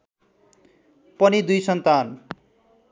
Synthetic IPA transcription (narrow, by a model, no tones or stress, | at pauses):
pʌnid̪ujsʌnt̪an